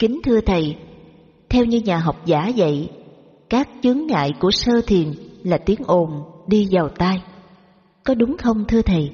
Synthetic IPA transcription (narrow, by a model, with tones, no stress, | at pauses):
kï˨˦ŋt̪ʰɨ˧ət̪ʰə˨˩j | t̪ʰɛ˧wɲɨ˧ɲaː˨˩ɦɔ˨˩wk͡p̚zaː˧˩zə̰˧˨j | kaː˦˥k̚t͡ɕɨ˨˦əŋːa̰ː˧˨jku˧˩əsəː˧t̪ʰi˨˩ənlaː˨˩t̪i˨˦əŋʔo˨˩nɗi˧zaː˨˩wt̪aː˧j | kɔ˨˦ɗʊ˨˦ŋ͡mxə˧wŋ͡mt̪ʰɨ˧ət̪ʰə˨˩j